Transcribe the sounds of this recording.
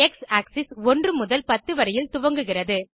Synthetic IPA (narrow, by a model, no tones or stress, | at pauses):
ɛksaːksɪsɔndrɯmʊðɐlpɐt̪ːɯʋɐɾɐjɪlt̪ʊʋɐŋɡɯɣɪrɐðɯ